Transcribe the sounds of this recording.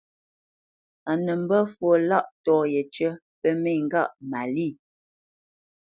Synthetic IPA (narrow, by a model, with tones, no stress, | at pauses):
a˨nə˨m̩˦bə˦fwo˦˨la˦ʔtɔː˦jə˨t͡ʃə˦ | pə˦mɛ˦˨ŋ̩˨ɡa˦˨ʔma˨li˦˨